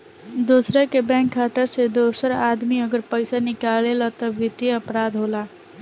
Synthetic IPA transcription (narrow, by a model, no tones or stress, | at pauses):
d̪osɾəkebɛ̃ŋkʰːat̪əɾsed̪osəɾad̪miəɡəɾpəɪsanikalelɔt̪ɔbit̪iəpɾad̪ʱɦola